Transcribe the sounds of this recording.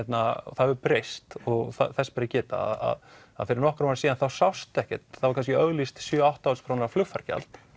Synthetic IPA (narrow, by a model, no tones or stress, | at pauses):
ɛt̪naθaðɛɾpɾejst̪ɔɣθa̰θɛspɛɾɪcɛːt̪a̰ða̰ð | a̰ðfɪɾɪɾnɔhkɾamaɾsiːðanθawsawst̪ɛhcɛ̰t̪θavaɾkʰanscɪœɣlist̪sjʏawht̪awspʰɾanaɾaflʏxfaɾ̥ca̰lt̪